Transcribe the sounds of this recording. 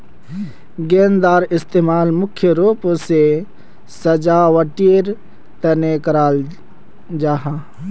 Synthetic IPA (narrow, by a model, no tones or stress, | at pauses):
ɡeːnd̪aːɾɪst̪eːmaːlmʊkʰːjəɾuːpose | səd͡ʒaːʋəʈiːɾ | t̪ənekəɾaːl | d͡ʒaːɦaː